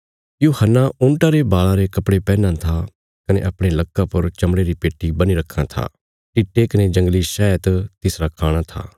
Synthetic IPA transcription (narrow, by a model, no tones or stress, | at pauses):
juːhənːaʊ̃ɳʈaɾebaːɭaɾekɐpɽepɛːnãt̪ʰa | kɐnḛʔɐpɽ̃elɐkːapɐɾt͡ʃɐmɽeɾipeːʈːibɐniɾɐkʰːãt̪ʰa̰ː | ʈiːʈːekɐned͡ʒɐ̃ŋɡliʃɛːjət̪t̪ɪsɾakʰaːɽ̃at̪ʰa̰ː